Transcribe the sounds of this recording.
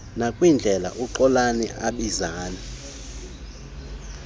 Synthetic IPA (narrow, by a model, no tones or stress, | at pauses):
nakʼwind͡ɮʱɛla̰ʔuǃɔlanɛ̰ʔaɓizaːnɛ